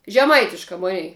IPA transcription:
ʒʲɛˈmɐɪtʲɪʃkɐ ˈmʊnʲɛɪ

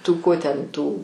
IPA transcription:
ˈtuː ˈkoː tʲɛn ˈtuː

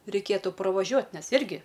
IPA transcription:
rʲɛɪˈkʲeːtʊ prɐˈʋɑːʒʲuɔtʲ ˈnʲɛs ˈɪrʲɡʲɪ

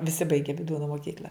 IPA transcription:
ʋʲɪˈsʲɪ ˈbɐɪɡʲɛ ʋʲɪˈduːnoː moːˈkʲiːklʲɐ

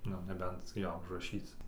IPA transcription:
ˈnʊ nʲɛˈbʲɛnt ˈjoː ʊʒrɐˈʃʲiːt͡s

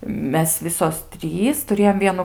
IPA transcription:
ˈmʲɛs ˈʋʲɪsoːs ˈtʲrʲiːs tʊˈrʲeːjoːm ˈʋʲiɛnʊ

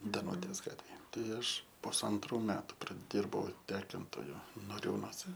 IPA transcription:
dɐˈnuːtʲeːs ˈɡɑːtʲʋʲeːj ˈtɐɪ ˈɐʃ pʊsɐnˈtruː ˈmʲæːtʊ prɐˈdʲɪrbɐʊ ˈtʲæːkʲɪntoːjʊ noːˈrʲuːnoːsʲɛ

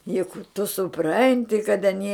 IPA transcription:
jʊk tʊ sʊˈprɐnʲtʲɪ kɐt ɐˈnʲiɛ

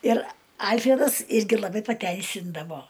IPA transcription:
ɪr ˈɐlʲfʲrʲɛdɐs ˈɪrʲɡʲɪ lˠɐˈbɐɪ pɐˈtʲɛɪsʲɪndɐʋoː

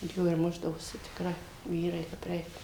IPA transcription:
joː ɪr ˈmʊʒdɐʋoːsʲɪ tʲɪkˈrɐɪ ˈʋʲiːrɐɪ kɐp ˈrʲɛɪk

